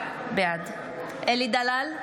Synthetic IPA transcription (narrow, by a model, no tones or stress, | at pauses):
bead̪ | elid̪alal